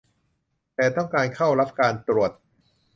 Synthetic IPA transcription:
t̪ɛː˨˩t̪ɔ˥˩ŋkaː˧nkʰa˥˩wɾa˦˥p̚kaː˧nt̪ɾu˨˩ət̪̚

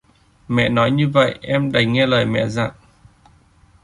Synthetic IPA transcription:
mɛ̰˧˨nɔ˨˦jɲɨ˧və̰˧˨jʔɛ˧mɗa˨˩jŋɛ˧ləː˨˩jmɛ̰˧˨za̰ː˧˨ŋ

